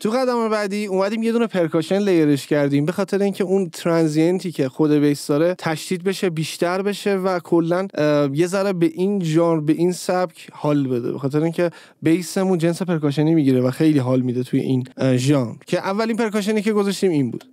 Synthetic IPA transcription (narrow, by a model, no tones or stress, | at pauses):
t̪ʰuɣæd̪æmɒnbæd̪iːuːmæd̪iːmje̞d̪uːnepʰe̞ɾkʰɒʃenlejeɾeʃcʰæɾd̪iːmbe̞xɒːt̪ʰe̞ɾeiːncʰeunt̪ʰɾænzent̪ʰiːcʰe̞xod̪e̞bejsd̪ɒːɾe̞t̪ʰæʃd̪̥iːd̪̚be̞ʃe̞biːʃt̪æɾbe̞ʃe̞vækʰolːænje̞zæɾebeʔinʒɒːnɾbe̞ʔinsæbcʰhɒːlbe̞d̪ḛbexɒːt̪eɾeiːŋcʰe̞ | bejse̞mũnd͡ʒe̞nse̞pe̞ɾkɒːʃ̬enimiɟiɾevæxe̞jliːɦɒːlmid̪et̪ʰujḛʔiːnʒɒɾcʰe̞ʔævːælinpʰe̞ɾkɒʃ̬eniːce̞ɡo̞zɒʃt̪iːminbṵːd̪̥